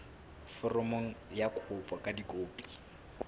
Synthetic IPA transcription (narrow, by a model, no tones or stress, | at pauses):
fɔrɔmoŋ̩jakʰʊpʼɔkʼadikʼoːpʼi̥